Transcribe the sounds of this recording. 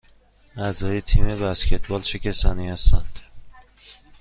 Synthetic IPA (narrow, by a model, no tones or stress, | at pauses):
æzɒjet̪ʰimebæskʲʰe̞t̪ʰbɒlt͡ʃʰekʲʰesɒːnihæst̪ænd̪̥